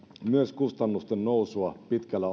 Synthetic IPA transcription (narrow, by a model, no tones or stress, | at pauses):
myøskust̪ɑnːust̪ennousuɑpit̪kælːæ